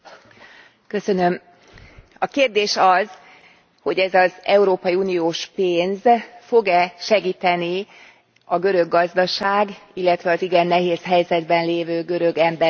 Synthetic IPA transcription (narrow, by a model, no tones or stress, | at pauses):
kø̞sø̞nø̞m | ɒkeːrd̪eːʃɒz | ho̞ɟɛzɒzɛuɾoːpɒjiuːnijoːʃpeːnzfo̞ɡɛʃɛɡiːt̪ɛni | ɒɡø̞ɾø̞ɡːɒzd̪ɒʃaːɡilːɛt̪ʋɛɒziɡɛnːɛɦeːsɦɛjzɛd̪bɛnleːvøːɡø̞ɾø̞ɡɛmbɛ